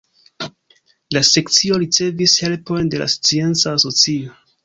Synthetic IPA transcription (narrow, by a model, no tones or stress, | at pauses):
lase̞kt͡sio̞ɾit͡se̞vishe̞lpo̞jnde̞la̰st͡sie̞nt͡saːso̞t͡sio